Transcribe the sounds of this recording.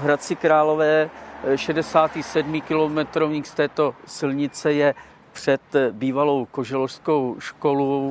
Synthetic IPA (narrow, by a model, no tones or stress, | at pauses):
ɦɾat͡sɪkɾaːlo̞vɛːʃɛdɛsaːt̪iːsɛdmikɪlomɛt̪ɾovɲiːxst̪ɛːt̪o̞sɪlɲɪt͡sɛjɛ | pr̥ɛt̪biːvalo̞wkoʒɛlofskowʃkolu